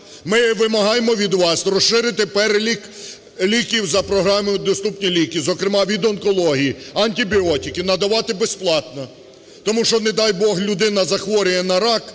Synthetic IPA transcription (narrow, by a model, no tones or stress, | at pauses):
mɪʋɪmɐɦɑjemɔʋʲid̪ʋɑsrɔʃʃɪɾɪt̪ɪpɛɾelʲik | lʲikʲiwzɐpɾɔɦɾɑmʊd̪ɔst̪upnʲilʲikʲizɔkɾemɑʋʲid̪ɔnkɔlˠɔɦʲijiɐnʲtʲibʲiɔtʲikɪnɐd̪ɐʋɑt̪ɪbesplˠɑt̪nɔ | t̪ɔmuʃt͡ʃɔned̪ɑjbɔɦlʲʊd̪ɪnɐzɐxʋɔɾʲɪjɛnɐɾɑk